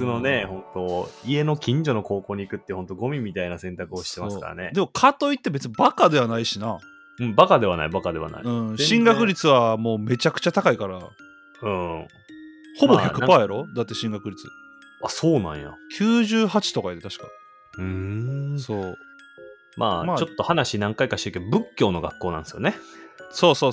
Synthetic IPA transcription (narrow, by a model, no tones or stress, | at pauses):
ɨno̞ne̞hõ̞nt̪o̞ie̞no̞kʲĩɲ̟d͡ʑo̞no̞ko̞ːko̞ːɲ̟iːkɯ̟t̪ːehõ̞nt̪o̞ɡo̞mʲimʲit̪ainasẽnt̪akɯoɕi̥t̪e̞masɨ̥ka̰ɾa̰ne̞d̪e̞mokʰat̪o̞it̪ːe̞be̞t͡sɨɲibakad̪e̞βanaiɕina | ɯ̟̃ɴbakad̪e̞βana̰ḭbakad̪e̞βa̰na̰iɯ̟̃ɴɕĩŋɡakɯ̟ɾʲit͡sɨβamo̞ːme̞t͡ɕakɯ̟̥t͡ɕat̪akaikaɾa | ɯ̃ː | ho̞bo̞çakɯ̟paeɾo̞d̪at̪ːe̞ɕĩŋɡakɯ̟ɾʲit͡sɨ̰ | asoːnã̰ɰ̃ja̰kʲʰɨːʑɨːhat͡ɕi̥t̪o̞kaid̪et̪aɕi̥ka̰ɲi | ɯ̃soː | ma̰ːmaːt͡ɕo̞t̪ːo̞hanaɕinãŋkaikaɕio̟ked̪obɯ̟kʲːo̞ːno̞ɡakːo̞ːnḁ̃sɨjo̰neso̞ːsoː